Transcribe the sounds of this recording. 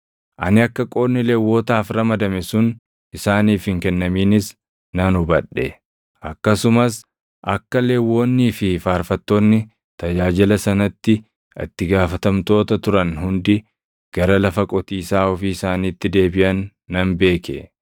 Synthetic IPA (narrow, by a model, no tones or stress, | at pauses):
ʔɐ̰nɪɐkːɐkʼo̞ːɪlewːo̞ːt̪aːfɾɐmɐd̪ɐmɛsʊn | ʔɪsaːniːfhɪŋkɛnːɐmiːnɪs | nɐnʊbɐᶑːɛ | ʔɐkːɐsʊmɐs | ʔɐkːɐleːwːo̞ːnːiːfɪfaːɾfɐt̪ːo̞ːnːɪ | t̪ɐd͡ʒaːd͡ʒɪlɐsɐnɐt̪ːɪ | ɐ̰t̪ːɪɡaːfɐt̪ɐmt̪o̞ːt̪ɐt̪ʊɾɐnɦʊnd̪ɪ | ɡ̥ɐɾɐlɐfɐkʼɔt̪iːsaːɔfiɪsaːniːt̪ːɪd̪e̞ːbɪʔɐnː | ɐnbe̞ːkɛ̰